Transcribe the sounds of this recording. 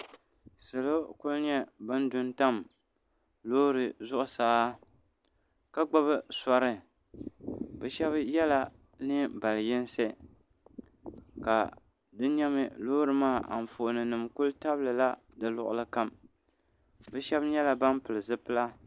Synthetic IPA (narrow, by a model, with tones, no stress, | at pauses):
sɨ˨lo˦kʊ˦lɲɛ˦bɨ˦ndʊ˦nta˦m | loː˦ɾɨ˨zʊ˦ʔʊ˨saː˨˦ | ka˦ɡ͡ba˦βɨ˦sa˦ɾɨ˦ | bɛ˨ʃɛ˦βjɛ˦la˦ | nɨ˦ba˨ljɪ˦n˦se˦ | ka˨ | dɨ˦ɲɛ˦mɨ˦loː˦ɾɨ˨maː˦˨ʔa̰˨m˨fo˨nɨ˨nɨ˨mkʊ˦lta˦blɨ˨la˦ | dɨ˨lʊ˨ʔʊ̰˦lɨ˦ka˦m | bɛ˦ʃɛ˦bɲɛ˦la˨ba˦npɨ˨lɨ˨zɨ˦pɨ˦la˦